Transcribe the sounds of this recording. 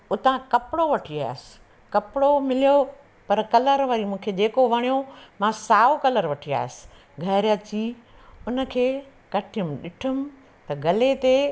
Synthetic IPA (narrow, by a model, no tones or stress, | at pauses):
ʊt̪ãkɐpɪɽoʋɐʈʰia̰ːɦɪsɪ̥ | kɐpɪɽomɪlijo | pɐɾkɐləɾʋɐɾimũːkʰed͡ʑeːkoʋɐɽ̃ijomãsaːokɐləɾʋɐʈʰia̰ːɦɪsɪ̥ | ɡʱɐɾjət͡ɕiː | ʊnə̆kʰeː | kɐʈʰɪjʊmɪ̆ɗɪʈʰʊmɪ̆ | t̪ɐɡɐlet̪e